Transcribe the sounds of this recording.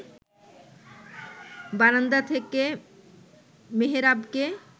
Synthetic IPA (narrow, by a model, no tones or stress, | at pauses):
banand̪at̪ʰeke | meɦeɾabke